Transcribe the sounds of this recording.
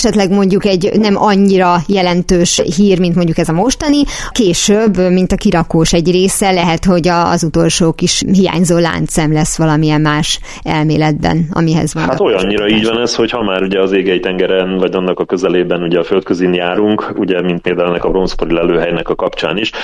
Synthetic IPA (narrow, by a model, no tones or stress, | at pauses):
ʃɛt̪lɛɡmo̞ɲɟukɛɟnɛmʔɒɲːiɾɒjɛlɛnt̪øːʃɦiːrmint̪mo̞ɲɟukɛzɒmo̞ʃt̪ɒni | keːʃøbːmint̪ɒkiɾɒkoːʃɛɟreːsɛlɛɦɛt̪ho̞ɟɒ̰zut̪o̞lʃoːkiʃɦija̰ːɲzoːla̰ːnt̪sɛmlɛsːʋɒlɒmiɛmmaːʃ | ɛ̰lmḛːlɛd̪̚bɛ̰nɒ̰miɦɛ̰zʋɒnhat̪ojɒɲːiɾɒiːɟvɒnɛsho̞chɒmaːɾuɟɛɒzeːɡɛjt̪ɛŋɡɛɾɛnvɒɟɒnːɒkɒkø̞zɛleːbɛnuɟɛɒfø̞lt̪̚køzinjaːɾuŋkuɟɛmint̪meːd̪ɛlɛnɛkɒbro̞mspoɾilɛløːɦɛjnɛkɒkɒpt͡ʃa̰ːniʃ